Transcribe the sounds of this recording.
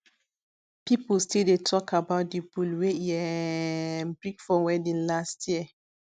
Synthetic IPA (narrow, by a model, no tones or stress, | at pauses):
pipulstildetʰɔkʰabaʊt̚dibulweiɛ̃ | mbɹĩkfɔwɛdĩnlastʰjiə